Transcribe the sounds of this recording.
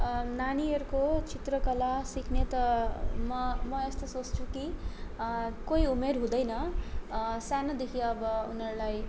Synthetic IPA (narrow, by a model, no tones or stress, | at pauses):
naniʌɾukot͡sit̪rʌkʌlasikʰnet̪ʌmʌmʌest̪osot͡st͡sʰuki | kojumerɦũd̪ʌjnʌ | sanʌd̪ekʰiʌbʌunʌɾulaj